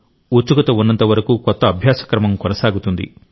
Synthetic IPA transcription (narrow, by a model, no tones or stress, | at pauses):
ut͡ʃːukɐt̪ɐunːɐnt̪ɐʋɐɾɐkuːkɔt̪ːɐːbʱjaːsɐ̥kɾɐmɐmkɔnɐsaːɡut̪und̪ḭ